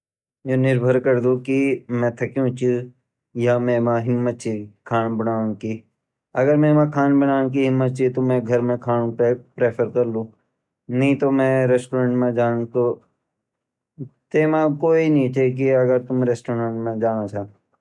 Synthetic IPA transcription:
joːnɪɾbʱəɾkəɾd̪okimɛ̃ːt̪ʰɐkjũːt͡ʃi | jamɛ̃ːmãɦɪmːət̪̚t͡ʃʰikʰaːnbənaːnki | ɐɡəɾmẽːmãkʰaːnbənaːnk̬iɦɪmːət̪̚t͡ʃʰit̪omɛ̃ɡʱɐɾmẽkʰaːnũpepɾeːpʰəɾkɐɾlũː | nɐɦĩt̪omɛ̃ɾeːsʈoːɾə̃ːɳʈmẽd͡ʒaːnt̪o | t̪eːmãkoːinĩːt͡ʃek̬iɐɡəɾt̪ʊmɾeːsʈoːɾəɳʈmẽd͡ʒaːnat͡ʃʰaː

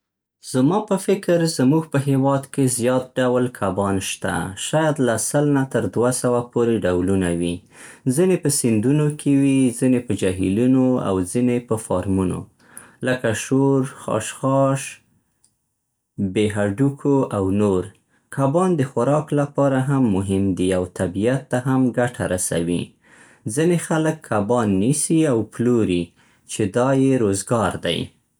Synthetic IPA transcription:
z̥mɑpəfɪkɾzəmuɡpəɦewɑd̪kezjɑt̪̚ɖawlkʰabɑnʃt̪a̰ʃɑjɑd̪lasəlnat̪əɾd̪wasawapoɾeɖawlunawi | zinepəsɪnd̪unokʰewizinepəd͡ʒaɦḭlunoa̰wzinepəfɑɾmuno̰ | ləkaʃoɾxɑ̰ʃxɑʃ | beɦaɖukʰoʔawnoɾ | kʰabɑnd̪əxʊɾɑklapɑɾaɦamːʊɦɪmd̪iawt̪abijat̪ːaɦamɡaʈʰaɾasa̰wḭ | zinexaləkʰːabɑnːisiawploɾi | t͡ʃed̪ɑjeɾozɡɑɾd̪a̰j

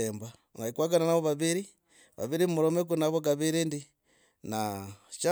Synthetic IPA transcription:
eːmba | naikwaɡananaβoβaβiɾi | βa̰βiɾimuɾomek̬unaβoɡaβiɾindi | nat͡ʃa

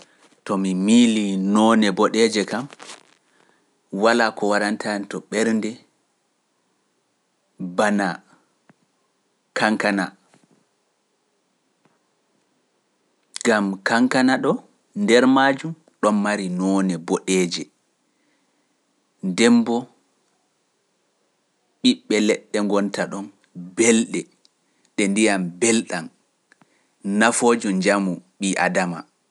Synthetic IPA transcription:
tɔmimiːlinɔːnɛbɔɗɛd͡ʒɛkam | walakɔwaɾantʰantɔɓɛɾndɛ | bana | kʰaŋkana̰ | ɡamkaŋkanaɗɔ | ndɛɾmaːd͡ʒum | ɗɔnːaɾinɔnɛbɔɗɛːd͡ʒɛ | ndɛmbɔ | ɓiɓːɛlɛɗːɛŋɡɔntaɗɔn | bɛlɗɛ | ɗɛndijambɛlɗan | nafoːd͡ʒɔd͡ʒamuɓiʔa̰dama̰

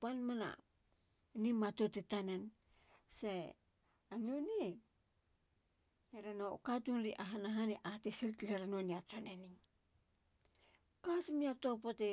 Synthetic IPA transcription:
panmana̰ | nimatotetanen | se | anone | eɾenokatunɾiʔaɦanaɦaniʔatesiltleɾanoniat͡ʃoneni | kasimiak̚topote

